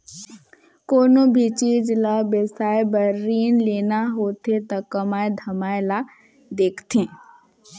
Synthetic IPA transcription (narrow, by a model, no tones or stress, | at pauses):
koːnõbʱit͡ʃiːd͡ʒlabesaːebəɾːiːnleːnaɦoːt̪et̪akəmaːed̪ʱɐmaːela | d̪eːkʰt̪ẽː